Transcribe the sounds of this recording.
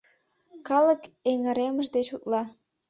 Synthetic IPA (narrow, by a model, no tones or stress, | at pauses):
kɑləkeŋəɾeməʒd̪et͡ɕut̪lɑ